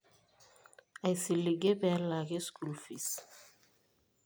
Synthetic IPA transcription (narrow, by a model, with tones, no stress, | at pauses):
a˨jsi˨li˨ɡe˦bɛ˨la˨ɣe˦sku˨lfis